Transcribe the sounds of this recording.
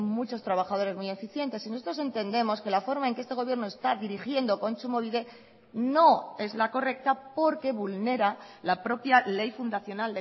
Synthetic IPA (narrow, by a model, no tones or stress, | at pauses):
mut͡ʃo̞st̪ɾaβ̞axaðo̞ɾe̞zmujefiθje̞nt̪esinoso̞t̪ɾo̞se̞nt̪e̞nd̪e̞mo̞ske̞lafo̞ɾmaeŋkeest̪e̞ɣ̞o̞βje̞ɾno̞e̞st̪aðiɾixje̞nd̪oko̞nsumo̞βiðe̞ | no̞e̞zlako̞re̞k̚t̪apo̞ɾke̞βulne̞ɾalapɾo̞pjale̞jfund̪aθjo̞nald̪